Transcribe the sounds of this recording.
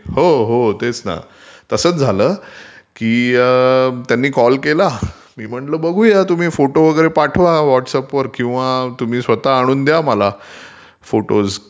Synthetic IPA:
ɦoɦot̪et͡sna̰ | t̪əsəːt͡sd͡zʱaləːkiː | t̪janːiːkɔlkela | miːm̤əɳləːbəɡʱuːjat̪um̤iːfoʈoʋəɡəɾepaʈʰʋaʋɔʈsəpʋəɾkĩw̃ʋat̪um̤iːsʋət̪aːɽ̃uːnd̪jaməla | foʈoz

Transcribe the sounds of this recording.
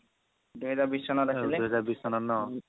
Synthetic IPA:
d̪uɦɛzaɾbisɔnɔɾaileuɦɛzaɾbisɔnɔnɔ

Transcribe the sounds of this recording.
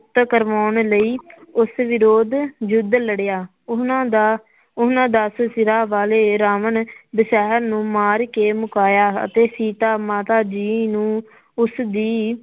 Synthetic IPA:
t̪kəɾʋaːʊɳləiːʊsʋɪɾoːd̪d͡ʒʊd̪ləɽejaː | ãːd̪a | ʊnãːd̪aːsʊsɪɾaːʋaːleːɾaːməɳbəʃɛːɦəɾnũːmaːɾkeːmʊkaːjaːə̰t̪eːsiːt̪aːmaːt̪aːd͡ʒiːnũː | ʊsd̪iː

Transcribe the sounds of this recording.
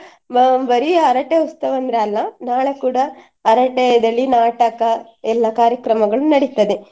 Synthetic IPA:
bɐɾiɐɾɐʈeust̪ɐʋɐnd̪ɾaːlːɐnaːɭekuːɽɐː | ɾɐʈɛd̪ɐlːinaːʈɐkɐ | ɛlːakaːɾjɐkɾɐmɐɡɐɭunɐɽit̪ːɐd̪e

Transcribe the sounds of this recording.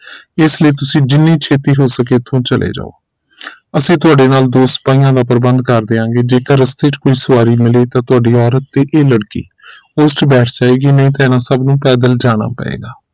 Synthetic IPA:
ɪsləiːt̪ʊsĩːd͡ʒɪnːiːt͡ʃʰeːt̪iːɦoːsəkeːt̪ʰːõːt͡ʃəlʔḛːd͡ʒa̰ːo̰ː | əsĩːt̪ʊaːɖeːnaːld̪oːst̪̚paːĩjãːd̪aːpəɾbə̃nd̪kəɾd̪eːãːŋɡeːd͡ʒeːkəɾəst̪et͡ʃkoːiːsʊaːɾiːmɪleːt̪ãːt̪ʊaːɖiːɔːɾət̪ːeːʔeːləɽkḭː | oːsʈbɛːʈʰd͡ʒaːeːɡiːnəĩːt̪ãːɪnãːsəbnũːpɛːd̪əld͡ʒaːɽ̃a̰ːpɛ̰ḛːɡaː

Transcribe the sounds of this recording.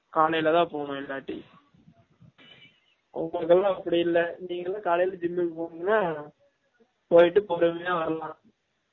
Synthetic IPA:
kaːlɐjɪlɐt̪ãːpoːɳʊ̃ɪlːaːʈːḭ | ʔʊ̰ŋɡɐɭɯk̬ːɐlãːɐpːɐɽɪjɪlːɐniːŋɡɐlãːkaːlɐjɪlɐd͡ʒɪmːɪkːɯpoːɽɯŋɡɐnːaː | poːjɪʈːɯpɔɾɯmejãːʋɐɾɐlãː

